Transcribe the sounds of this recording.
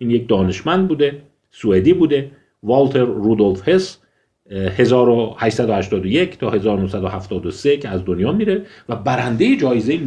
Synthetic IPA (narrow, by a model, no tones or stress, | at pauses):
iːnjec̚d̪ɒːne̞ʃmænd̪̚buːd̪e̞ | sued̪iːbuːd̪e̞ | vɒlt̪ʰe̞ɾːuːd̪o̞lfhe̞s | he̞zɒːɾohæʃsæd̪ohæʃt̪ɒːd̪oje̞cʰt̪ʰɒːhe̞zɒːɾonohsæd̪ohæft̪ʰɒːd̪ose̞cʰeæzd̪onjɒːmiːɾevæbæɾænd̪ejed͡ʒɒːjezeim